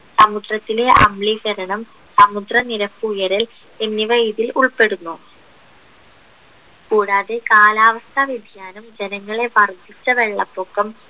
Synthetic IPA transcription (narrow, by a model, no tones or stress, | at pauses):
sɐmud̪rɐt̪ːile̞ʔɐ̰mɭiɡɐɾɐɳɐm | sɐmud̪rɐniɾɐpːuːjɐɾɐl | enːiʋɐjðiluɭpe̞ɽunːu | kuːɽaːðekaːlaːʋɐst̪ʰɐʋed̪ʱijaːnumd͡ʑe̞nɐŋːɐɭe̞ʋɐrd̪ʱit͡ɕːɐʋe̞ɭːɐpːoːkːɐm